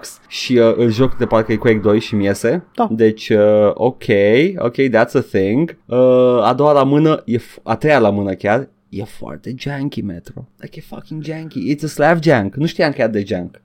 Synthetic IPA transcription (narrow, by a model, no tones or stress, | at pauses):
ks | ʃiəʔɨlʒo̞kd̪epaɾkəkuekd̪o̞jʃimije̞se̞d̪̥ad̪e̞t͡ʃʲəʔokʰejo̰kejðæt̪səθɪ̃ŋɡəad̪o̞walamɨnəje̞fat̪ɾejalamɨnəkʲar | jefoa̰rt̪e̞d͡ʒaŋkʲimet̪ɾo̰lajkefʌkɪ̃ŋd͡ʒæ̃ŋkiɪtsəslæfd͡ʒæ̃ŋknuʃt̪ijamkʲejat̪̚d̪e̞d͡ʒaŋk